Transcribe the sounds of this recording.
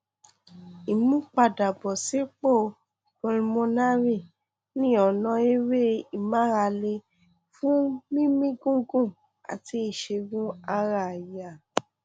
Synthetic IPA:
i˨mũ˦k͡pa˧˨da˨bɔ˨se˨˦k͡po˦˨ | ko˧ɾĩ˧mõ˧na˦ɾi˦˨ | nĩ˦ɔ˨nɔ̃˧i˦we˦i˦˨mã˨˦ɾa˧le˧ | fũ˦mĩ˦mĩ˦ɡũ˦ɡũ˦˨ | a̰˨ti˧˦i˨ʃe˧ɡũ˦a˧ɾa˨ja˨

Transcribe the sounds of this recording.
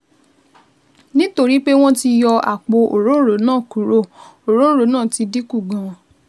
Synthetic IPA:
nĩ˦to˧ɾi˨˦k͡pe˦w̃ɔ̃˦ti˧jɔ˧a̰˨k͡po˧ʔo˨ɾõ˨˦ɾo˨˦nãː˦˨ku˨˦ɾo˦˨o˨ɾõ˦ɾo˨˦nãː˦˨ti˧di˦ku˦˨ɡã˨

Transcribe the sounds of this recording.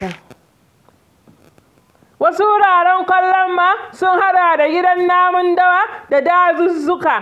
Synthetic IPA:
a˨ | wɐ˦su˦wʊ˦ɽaː˨ɽɛ˦ŋkʷɐ˦lːɐ˦mːaː˦sʊ˦ŋha˦ɗaː˨da˨ɡʲɪ˦dɐ˦nːaː˦mʊ˦ndɐ˦waː˦da˨daː˦zʊ˦zʊ˦kaː˨

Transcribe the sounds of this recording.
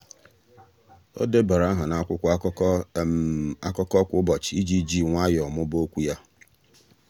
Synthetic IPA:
o̰˦de˦ba˨ɾa˦ɦʊ˨na˨˦kʷʊ˦kʷʊ˦a˦kɔ˦ | a˦kɔ˦kɔ˦kʷʊ˦bɔ˨t͡ʃɪ˨i˦d͡ʒi˦d͡ʒi˦ŋʷa˦jɔ˨mʊ˦bo˦kʷu˦ja˦

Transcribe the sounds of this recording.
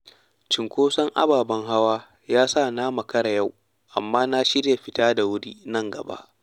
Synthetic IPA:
t͡ʃɪ˨ŋkʷoː˦sɐ˦ŋʔa̰˦baː˨bɐ˦ŋɦa˦waː˦ | jaː˦saː˦˨naː˦mɐ˨kɐ˦ɽa˨ja˦˨w | ʔa̰˨mːaː˦na˦ʃɪ˦ɽja˨ɸɪ˦taː˦da˨wʊ˦ɽiː˦nɐ˦˨ŋɡɐ˨ba̰˦ʔ

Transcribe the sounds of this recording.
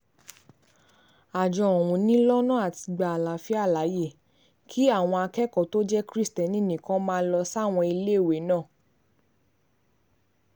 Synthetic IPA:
a˨d͡ʒɔ̃˧ɔ˨wũ˧nĩ˦lɔ˦nã˦a˨ti˧ɡ͡ba˨a˨la˨˦fi˦a˦˨la˨˦je˦˨ | kʰi˦a˦˨w̃ɔ̃˧a˧kɛ˦kɔ˦˨to˦d͡ʒɛ˦kɾi˦stɛ˨nĩ˦˨nĩ˨kɔ̃˨˦mãː˦˧˦lɔ˧sa˦˨w̃ɔ̃˧i˧le˦˨we˨˦nãː˦˨

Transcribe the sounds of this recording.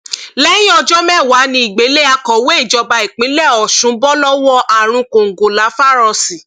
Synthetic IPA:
lɛ˦jĩ˦ɔ˧d͡ʒɔ˦mɛ̃˦˨wa˨˦nĩ˧˦i˨ɡ͡be˨˦le˦a˧kɔ˨we˦i˦˨d͡ʒɔ˧ba˧i˨k͡pĩ˨˦lɛ˦˨ɔ˨ʃũ˨˦bɔ˦lɔ˦wɔ˦ʔa˨ɾ̃ũ˧ko˨ŋ̩˨ɡo˨la˨˦fa˦˨ɾɔ˧si˨

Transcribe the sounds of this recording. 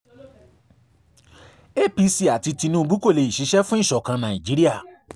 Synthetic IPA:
e˦˨pi˧si˧a˨ti˧ti˧nũ˦˧ɡ͡bu˦ko˦˨le˧˨i˨ʃi˨˧˦ʃɛ˦fũ˦i˦˨ʃɔ˨kã˧nã˨ĩ˨d͡ʒi˨˦ɾi˦a˦˨

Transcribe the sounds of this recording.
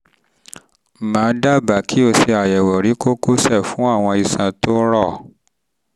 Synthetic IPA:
mãː˨˦da˦ba˨kʰi˦o˧se˧a˨jɛ˨wɔ˨ɾi˨˦ko˦ku˦sɛ˦˨fũ˨˦a˦˨w̃ɔ̃˧i˨sã˨to˦ɾɔ˦˨

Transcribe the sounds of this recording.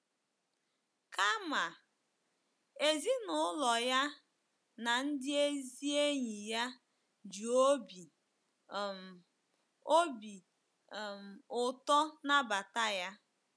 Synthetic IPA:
ka˦ma˨ | e˨zi˦nʊ˦lɔ˨ja˦ | na˨n̩˦dɪ˦e˦zi˦e˦ɲi˨ja˦ | d͡ʒu˨o˦bi˨ | o˦bi˨ | m̩˨ʊ˨tɔ˦na˦ba˨ta˦ja˦

